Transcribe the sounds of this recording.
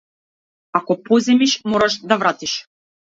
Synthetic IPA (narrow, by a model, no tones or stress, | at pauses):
akɔpɔzɛmiʃmɔɾaʃd̪avɾat̪iʃ